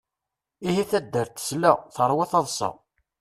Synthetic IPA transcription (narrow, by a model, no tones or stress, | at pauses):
ihiθæd̪ːəɾt̪ːə̥slæθəɾˤwæθɑðˤsˤɑ̰